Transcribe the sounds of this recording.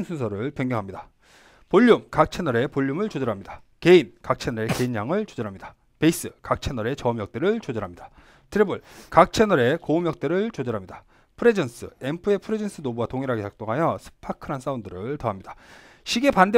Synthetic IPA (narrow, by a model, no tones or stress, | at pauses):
nsʰunsʰʌɾɯɭpjʌŋɡjʌŋɦamɲida | poʎːumkak̚t͡ɕʰenʌɾe̞poʎːjumɯɭt͡ɕod͡ʑʌɾɦamɲid̥a | ke̞inkak̚t͡ɕʰe̞nʌɾe̞ke̞injaŋɯɭt͡ɕod͡ʑʌɾɦamɲida | pe̞is͈ɯkak̚t͡ɕʰe̞nʌɾe̞t͡ɕʌmjʌk̚t͈eɾɯɭt͡ɕod͡ʑʌɾɦamɲid̥a | tʰɯɾebɯɭkak̚t͡ɕʰenʌɾe̞koumjʌk̚t͈eɾɯɭt͡ɕod͡ʑʌɾɦamɲida | pʰɯɾed͡ʑʌns͈ʰɯ̰e̞mpʰɯe̞pʰɯɾe̞d͡ʑens͈ʰɯnobuatoŋiɾɦaɡesak̚t͈oŋɦajʌsʰɯ̥pʰakʰɯɾans͈aundɯɾɯɭtʌɦamɲidḁɕʰiɡe̞pande